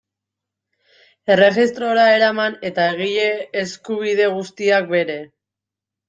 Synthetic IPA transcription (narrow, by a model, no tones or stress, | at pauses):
e̞re̞ɣist̪ɾo̞ɾae̞ɾamane̞t̪aeɣ̞iʎeːskuβ̞iðe̞ɣ̞ust̪iak̚be̞ɾe̞